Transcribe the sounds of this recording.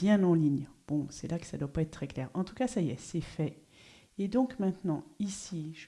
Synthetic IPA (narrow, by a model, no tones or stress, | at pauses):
jɛ̃nɑ̃liɲb̥ɔ̃sɛlakə̥sad̪wapaɛt̪̚t̪χɛklɛʁɑ̃t̪u̥kasajɛsɛfɛ | ed̪ɔ̃kmɛ̃t̪nɑ̃isiʒ